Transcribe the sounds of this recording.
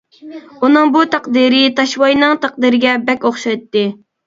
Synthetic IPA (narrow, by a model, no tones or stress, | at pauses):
unɨŋbut̪ʰæqd̪iɾɪt̪ɑʃwɑjnɨŋt̪æq̚d̪iɾɪɡʲɛbɛkʲoχʃɑjt̪ːɨ